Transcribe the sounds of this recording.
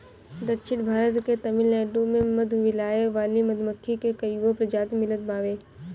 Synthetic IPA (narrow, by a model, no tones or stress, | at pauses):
d̪ɐtʃʰɪʈbʱaːɾət̪ket̪ɐmɪlːɛːɖomẽmɐd̪ʱʋɪlaːeʋaːlimɐd̪ʱməkʰːikekɐjɡopɾɐd͡ʒaːt̪mɪlət̪̚baːʋeː